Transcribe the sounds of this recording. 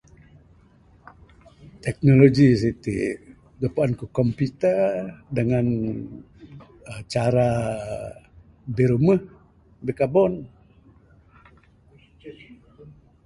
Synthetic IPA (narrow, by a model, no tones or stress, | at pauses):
t̪ɛk̚noloɡis̬it̪ḭ | ɡəpaankukɔmput̪ədəŋan | t͡ʃaɾa | biɾuməh | bəkabɔn